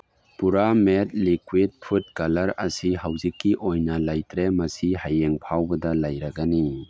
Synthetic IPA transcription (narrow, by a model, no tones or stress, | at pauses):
puɾamet̚likwid̚pʰut̚kalɐɾɐsiɦawzikːiʔojnɐlajtɾemɐsihajeŋpʰawbɐdɐlajɾaɡani